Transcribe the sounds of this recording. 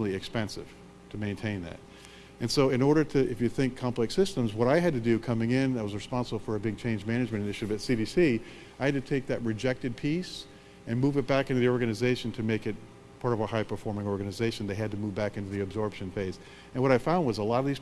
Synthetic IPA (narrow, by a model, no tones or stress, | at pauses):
lˠiɨkspɛ̃nsɨ̰v̥ | tʰɨmẽɪ̃ntʰẽɪ̃nðɨ̰t̚ | ɨ̃nsoʊɨ̃nɔɹɾə˞ɾɨɨfjɨθɪ̃ŋkʰɑ̃mplɨksɪstə̃mzwʌɾaɪɨd̚tɨdɨkʰʌmɪ̃ŋɪ̃naɪwʌzɹɨspɑ̃nsəbl̩ˠfə˞ɨbɪɡ̚t͡ʃʰẽɪ̃nd͡ʒmæñɨd͡ʒmɨ̃ñɨ̃nɨtʃɨɾɨvɨtsiɾisi | aɪhɨd̚tɨtʰeɪk̚ðɨʔ̚ɹɨd͡ʒɛk̚tɨd̚pʰis | ɨ̃nmuvɨt̚b̥ækɪ̃ntɨðiɔɹɡɨnɨzeɪʃn̩tʰɨmeɪkɨt̚ | pʰɑɹɾʌvəhaɪpʰə˞fɔɹmɪ̃ŋɔɹɡɨnɨzeɪʃɨ̃n̩ðeɪɨd̚tɨmuvbækɪ̃ntʉðiɨbzɔɹpʃɨ̃nfeɪz | ɨ̃nwʌɾaɪfãʊ̃nd̚wʌzəlɑɾʌvðiz̥